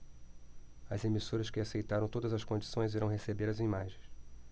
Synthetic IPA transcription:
ɐzemisoɾɐskɪasejt̪aɾɐ̃w̃t̪od̪ɐzɐskõd͡ʒisõj̃ziɾɐ̃w̃ɦesebeɾɐzimaʒẽj̃s

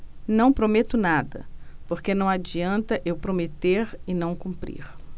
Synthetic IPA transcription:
nɐ̃w̃pɾomet̪ʊnad̪ɐ̰poɾkenɐ̃w̃ad͡ʒiɐ̃nt̪ɐʔewpɾomet̪eɾɪnɐ̃w̃kũmpɾḭɾ

